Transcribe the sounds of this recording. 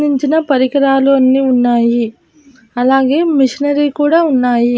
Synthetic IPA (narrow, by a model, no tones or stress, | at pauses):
iɲt͡ʃinɐpɐɾikɐɾaːluɐnːiːunːaːji | ɐlaːɡe̞ːmiʂinɐɾikuːɽaːunːaːji